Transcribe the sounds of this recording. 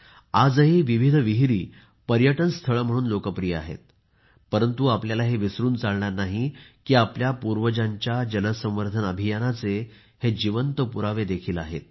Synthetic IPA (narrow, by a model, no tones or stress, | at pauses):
ad͡zəɦiʋiʋ̤id̪ʱʋiɦiɾiː | pəɾjəʈənst̪ʰəɭəm̤əɽ̃uːnlokəpɾijəa̰ɦḛt̪̚ | pəɾənt̪uapljalaɦeʋisɾuːnt͡saɭɳaɾnaɦikiːapljapuɾʋəd͡ʑaɲt͡ɕjad͡ʑənəsə̃mʋəɾd̪ʱənəbʱijanat͡se | hed͡ʑiʋənt̪əpuɾaʋed̪ekʰiːla̰ɦḛt̪̚